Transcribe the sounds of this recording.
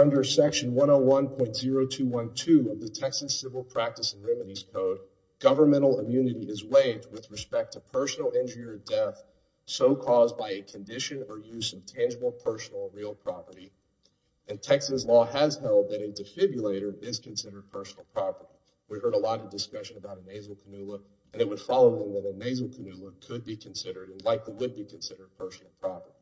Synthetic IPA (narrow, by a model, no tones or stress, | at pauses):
ʌ̃ndə˞sɛkʃɨ̃n̩wʌ̃ñoʊwʌ̃npʰɔ̃ɪ̃ntz̥ɪɹoʊtʰʉwʌ̃ntʰʉʌvðɨtʰɛksɨz̥sɪvl̩ˠpʰɹ̥æk̚tɨsn̩ɹɛmɨɾiz̥kʰoʊd̚ | ɡ̥ʌvə˞mɛ̃ɾ̃l̩ˠəmjʉnɨɾiɪzweɪvd̚wɨðɹɨspɛk̚tʰɨpʰɜ˞sn̩l̩ˠɪ̃nd͡ʒə˞iə˞dɛθ | soʊkʰɔzbaɪɨkʰɨ̃n̩dɪʃɨ̃nə˞jʉzʌv̥tʰæ̃nd͡ʒəbl̩ˠpʰɜ˞sn̩l̩ˠɹilˠpʰɹ̥ɑpə˞ɾi | ɨ̃ntʰɛksɨzlɔɨz̥hɛlˠd̪̚ðɨɾɨdɨfɪbjɨleɪɾə˞ɪz̥kʰɨ̃nsɪɾə˞d̚pʰɜ˞sn̩l̩ˠpʰɹ̥ɑpə˞ɾi | wihɜ˞ɾəlɔɾʌvdɨskʌʃɨ̃nəbaʊɾɨneɪzl̩ˠkʰənʉlˠə | ʔɨ̃nɨt̚wəd̥fɑlˠoʊðə̃mðəɾɨneɪzl̩ˠkʰɨnʉlˠəkʰɨd̚bikʰɨ̃n̩sɪɾə˞ɾɨ̃nlaɪkliwɨd̚bikʰɨ̃n̩sɪɾə˞d̚pʰɜ˞sn̩l̩ˠpʰɹ̥ɑpə˞ɾi